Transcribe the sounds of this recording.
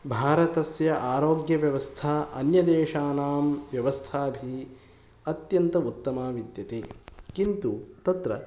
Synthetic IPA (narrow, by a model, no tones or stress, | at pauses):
bʱaːɾɐt̪ɐsjɐʔaːɾoːɡjɐʋjɐʋɐst̪ʰaːʔɐnjɐd̪eːʃaːnaːmʋjɐʋɐst̪ʰaːbʱi | ɐt̪jɐnt̪ɐut̪ːɐmaːʋid̪jɐt̪eːkint̪ut̪ɐt̪ɾɐ̰